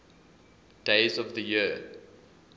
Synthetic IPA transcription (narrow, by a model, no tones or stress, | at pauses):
d̥eɪzɔvðəji